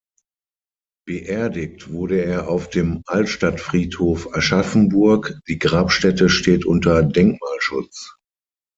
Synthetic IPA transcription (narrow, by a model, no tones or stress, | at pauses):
b̥əʔɛɐdɪk̚tv̥ʊɐɾəeːɐʔaʊfd̥eːmʔaltʃtatfʁ̥iːthoːfɛʃafn̩bʊɐkd̥iːɡʁaːpʃtɛtəʃteːtʔʊntɐdɛŋk̚maːlʃʊ̰t͡s